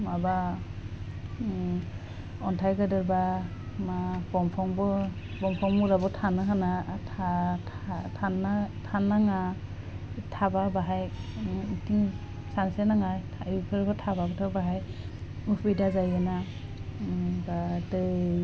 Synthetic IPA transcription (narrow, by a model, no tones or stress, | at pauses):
maba | ɔntʰajɡɯdɯɾbamabɔmpʰɔŋbɔ | bɔmpʰɔŋmuɾabɔtʰanɯɦanatʰa | tʰanatʰanːaŋa | tʰababaɦaj | tiŋ | sansenaŋajʰapʰɯɾkʰɔtʰabaɡɔtʰabaɦajɯpʰɯjdazajɯna | badɯ